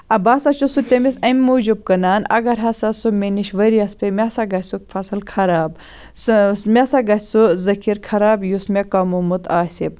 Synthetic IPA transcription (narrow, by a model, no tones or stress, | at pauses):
ɐbaːsɐt͡ʃusut̪ʲemisɐmʲːuːd͡ʒub̚kɐnaːnɐ̰ɡɐɾɦɐsɐsumʲeniʃʋɐɾiɐspʲemʲasaɡɐsʲsukfʰɐsɨlkʰɐɾaːb | mʲesaɡɐsʲsuzɐkʰiɾkʰɐɾaːbjusmʲekɐmumut̪aːsʲib̚